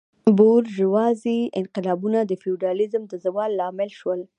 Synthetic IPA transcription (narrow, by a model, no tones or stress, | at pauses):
boɾʒəwɑziɪnqɪlɑbunad̪əfiuɖɑlɪzəmd̪əzawɑlːɑmɪlʃwəl